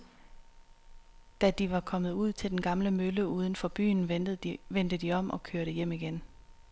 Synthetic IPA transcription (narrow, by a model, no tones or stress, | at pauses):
d̥æd̥iʋɑ̈kʰɒ̽məð̞̩ˠuð̞̰ˠt͡sʰe̝ld̥enɡ̥ɑ̈mləmøləuːð̞ˠən̩fɒ̽b̥y̰ːnʋend̥əd̥iɒ̽m̰ʔɒ̽kʰøɐɾəjem̰iɡ̥en